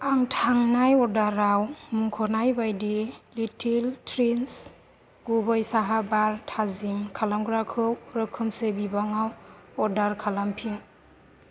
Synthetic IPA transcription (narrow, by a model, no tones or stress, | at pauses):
aŋtʰaŋnajɔdaɾawmuŋkʰɔnajbajdilitʰiltʰɾins | ɡ̥ubɔjsaɦabaɾtʰazimkʰalamɡɾakʰɯwɾɯkʰɯmsebibaŋawɔdaɾkʰalampʰiŋ